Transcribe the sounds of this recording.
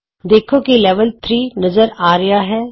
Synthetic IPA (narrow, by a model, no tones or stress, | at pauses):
d̪eːkʰõkileːʋəlt̪ʰɾiːnɐzəɾaːɾɐjaɦɛː